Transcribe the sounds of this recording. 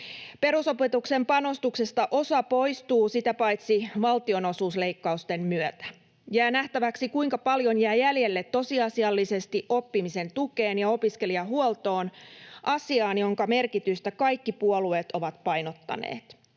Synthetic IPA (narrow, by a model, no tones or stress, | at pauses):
pe̞ɾuso̞pet̪ukse̞mpɑno̞st̪ukse̞st̪ɑʔo̞sɑpo̞jst̪uːsit̪æpɑjt̪siʋɑlt̪io̞no̞suːsle̞jkːɑust̪e̞mmyøt̪æ | jæːnæht̪æʋæksikuiŋkɑpɑljo̞njæːjælje̞lːe̞t̪ːo̞siɑsiɑlːise̞st̪iʔo̞pːimise̞nt̪uke̞ːnjɑo̞piske̞liɑɦuolt̪o̞ːnʔɑsiɑːnjo̞ŋkɑme̞rkit̪yst̪ækɑjkːipuolue̞ːt̪o̞ʋɑt̪pɑjno̞t̪ːɑ̰nḛːt̪